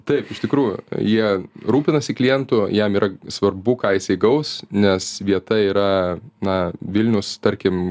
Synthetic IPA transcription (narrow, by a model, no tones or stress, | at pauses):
t̪ɐɪpɪʃt̪ʲɪkɾuːjʊ̰jiɛɾuːpʲɪnɐsʲɪklʲɪjɛnt̪ʊjɛmiːɾɐsʋɐrbʊkɑːjɪsʲɐɪɡɐʊsnʲɛsʋʲiɛt̪ɐiːɾɐnɐʋʲɪlʲnʲʊst̪ɐɾʲkʲɪm